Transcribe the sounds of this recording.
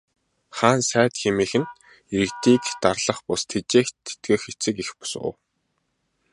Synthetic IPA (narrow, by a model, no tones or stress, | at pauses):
χaːnsæːt̪xemeːxɘ̆n | iɾɘ̆kt̪iːkt̪arɮə̆χpʊst̪ʰet͡ɕeːxt̪ʰe̥t̪ɡĕːxet͡sɘ̆kixpʊ̥sʊ̰ː